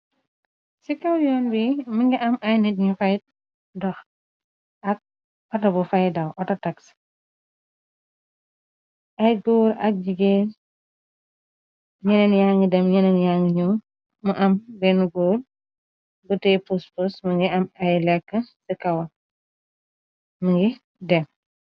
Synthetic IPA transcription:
sikɐwjɔːnbiməŋɡiʔɐmɐjnɛtɲufɐjt̚ | dɔx | ʔɐk̚ | pɐtɐbufɐjdɐwʔɔtɐtɐks | ʔɐjɡɔːɾɐ̰k̚d͡ʒiɡe | ɲɛnɛnjaŋɡədɛmɲɛnɛnjaŋɡəɲɔː | mɐʔɐmbɛnuɡoːɾ | butɛpuspusməŋɡiɐmɐjlɛkːəsikɐwɐ | məŋɡi | dɛm

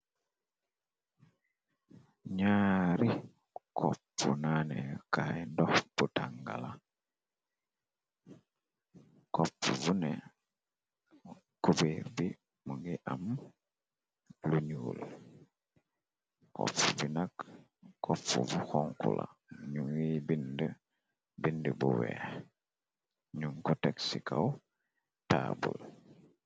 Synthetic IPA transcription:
ɲaɾi | kʰopunanekaendobutaŋɡa̰la | kopuvune | kuβiɾβi | muŋɡiʔamu | luɲuːl | kɔ̰fubinak | kːopːṵvuxoŋkula̰ɲuŋibind | bindibuweː | ɲuŋkuteksikaw | tabṵl

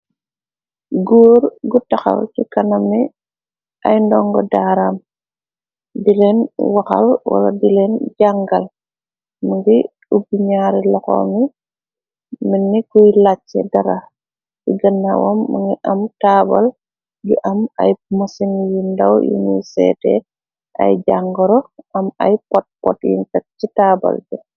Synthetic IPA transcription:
ɡuːɾɡutɐxɐ̰lkikɐnɐmi | ʔɐjndɔŋɡɔdaːɾam | dilɛnwaxɐ̰lwa̰lɐdilɛnɟaŋɡɐl | məŋɡi | ubiɲaɾilɔxɔ̰mi | minːikujlat͡ʃːɛ̰dɐɾa | siɡɐnːawɔ̰mːəŋɡiʔɐmtabɐl | ɡiʔɐmɐ̰jmɐsinjindɐwjḭnḭsɛ̰ːtɛ̰ | ʔɐ̰jd͡ʒaŋɡɔɾɔʔɐmɐjpɔt̚pɔ̰tjḭntɐt̚t͡ʃitaːbɐ̰ld͡ʒu

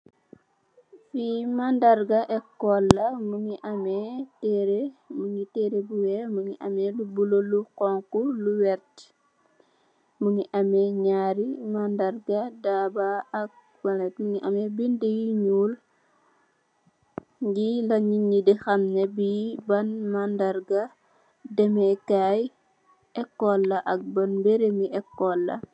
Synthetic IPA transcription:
fimandɐrɡɐʔɛkːɔlːɐmuŋiʔɐmɛtɛɾemuŋitɛːɾebuwɛmuŋiʔɐmɛlubuloluqɔŋkuluwɛrt | muŋiʔɐmɛɲaɾimandɐrɡɐdabaɐk̚ | bɐnɛtmuŋiʔɐmɛbindejiɲuːl | ɡilɐɲiɲidixɐmnɐbibɐnmandɐrɡɐ | dɛmɛkaj | ɛkːɔlːɐʔɐk̚bɐnbeɾemiʔɛkːɔlːɐ̰

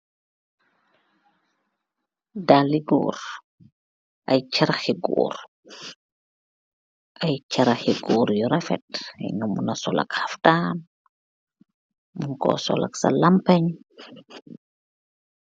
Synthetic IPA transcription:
daliɡɔ̰ːɾ | ʔajt͡ʃaɾaxiɡɔ̰ːɾ | ʔajt͡ʃaɾaxiɡɔːɾjɔɾafɛ̰tjnɔmunasɔla̰khaftaːn | munkɔ̰sɔ̰la̰ksa̰lampaɲ

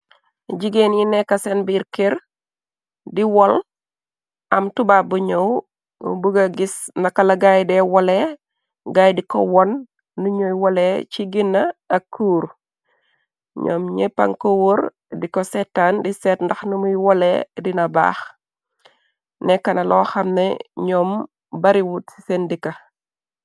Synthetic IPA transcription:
ɟiɡenjinɛkːɐsɛnbiɾkeɾ | diwɔl | ɐmtubabuɲow | buɡɐɡis | nɐkːɐlɐɡajdɛwɔlɛ | ɡajdikɔ̰wɔnː | uɲojwɔlɛt͡ʃiɡinːɐːkːuːɾ | ɲɔ̰ːmɲepɐ̰ŋkowuɾ | dikɔsɛtːandisɛtndɐxnumujwɔlɛ̰dinɐba̰ːx | nɛkɐnɐlʔɔːxɐmnɛ̰ɲɔːm | bɐɾiwutsi̥sendikɐ

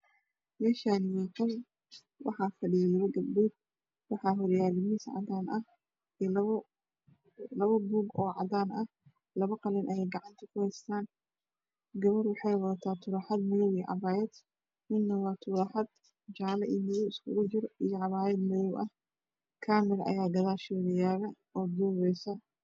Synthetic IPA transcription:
mɛːʃaːnɪjɛkɔw | wɑ̰ħɑːfɐɖijlɐɡɐbuːɡ̚ | wɑħɑːɦʊɾjaːlɪmɪsʕɑ̰d̪aːnʔɐh | lɐ | lɐβɐbuːɡɔːʕɑ̰d̪aːnɐh | lɐβɐqɑlɛnʔɐjɛjɡɑʕɑnt̪ʰɐ̥kʰʊhɛst̪ʰaːn | ɡɐβɐrwɑħɑjwɐðɐt̪ʰaːt̪ʰʊɾɐħɑd̪mɪðɔwiʕɑ̰βaːjɛd̪̥ | mɪnnɐwɑːt̪ʰʊɾɑħɑd̪ | d͡ʒaːlɐʔiːmɪðɔwɪskʰʊɣʊt͡ʃɪrijɔʕɑβaːjɛd̪mɪðɔwʔɐh | kʰaːmɪɾɐʔɐ̰jaːɡɐðaːʃɪwɣjaːɣɐ | ɔːd̪uːβɛjsɐ

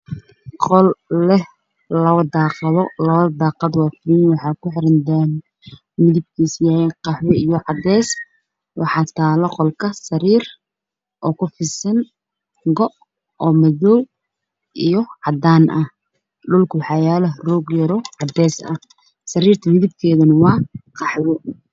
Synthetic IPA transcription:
qɔlːɛ | lɐβɐd̪aːqɑðɔlɐβɐd̪ɑːqɑd̪wɑfinwɑħɑːkʰʊħɪɾɐnd̪an | mɪðɪb̚kʰiːsjaːjɛqɑħwɛijɔʕɑd̪ɛːs | wɑħɑːt̪ʰaːlɔqɔlkʰɐsɐɾiːr | ʔɔːkʰʊfɪsɪn | ɡɔʔ | ɔːmɐðɔw | ʔijɔʕɑd̪aːnʔɐ | ɖʊlkʰʊwħɑːjaːlɐrɔːɡjɐɾɔʕɑd̪ɛːsɐ̰ | sɐɾiːrt̪ʰɐmɪðɪb̚kʰɛːðɐnɐwɑːqɑħwɔ

